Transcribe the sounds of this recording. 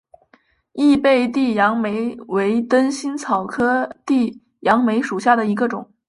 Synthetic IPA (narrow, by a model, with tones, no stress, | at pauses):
i˥˧pe˥˧ɪt̪i˥˩jɑ˧˥ŋme˧˥ɪwe˧˥ɪt̪ə˥nɕi˥nt͡sʰɑ˨˩ʊkʰɤ˥t̪i˥˩ | jɑ˧˥ŋme˧˥ɪʂu˨˩ɕja˥˩d̪ə˩i˧˥ɡə˧ʈ͡ʂʊ˨˩˦ŋ